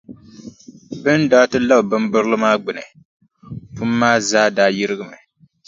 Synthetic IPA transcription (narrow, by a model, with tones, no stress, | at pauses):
bɨ˦ndaː˦tɨ˦la˦bbɨ˦mbɨ˦ɾlɨ˦maː˦ɡ͡bɨ˨nɨ̰˨ | pu˦mː˦aː˦zaː˦daː˦ji˦ɾɨ˦ɡɨ˦mɨ˨